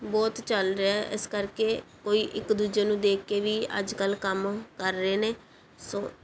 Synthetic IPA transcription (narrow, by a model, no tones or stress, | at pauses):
bɔːt̪t͡ʃəlɾeaʔɪskəɾkeːkoːiːʔɪkd̪uːd͡ʒeːnũːd̪eːkːeːʋiːə̰d͡ʒkəlkəmkəɾːəeːneː | sõː